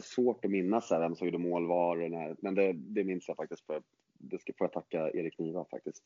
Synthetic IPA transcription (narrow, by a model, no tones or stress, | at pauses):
svoːʈɔmɪnːasdæɾvɛmsoːɡd̪ɵmoːlvɑːɾɔnæɾmɛnd̪ɛd̪ɛmɪnsjafak̚t̪ɪskt̪fœɾ | d̪ɛskfoːɾjat̪ʰakːaḛːɾɪkʰniːvafa̰k̚t̪ɪst̪